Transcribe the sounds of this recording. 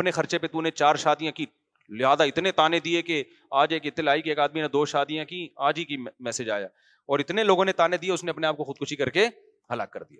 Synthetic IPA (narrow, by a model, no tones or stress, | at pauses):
pnexɐɾt͡ʃepet̪unet͡ʃaːɾʃaːd̪ijãki | lɪɦaːzaɪt̪net̪aːned̪ieke | aːd͡ʒeːkɪt̪ːɪlaːikieːkaːd̪minad̪oːʃaːd̪ijãkiaːd͡ʒikimɛːsɪd͡ʒa̰ːja̰ː | ɔːɾɪt̪neloːɡõnet̪aːned̪ieʊsneɐpneaːp̚koxʊd̪̚kʊʃikɐɾke | ɦɐlaːkːɐɾd̪ija̰ː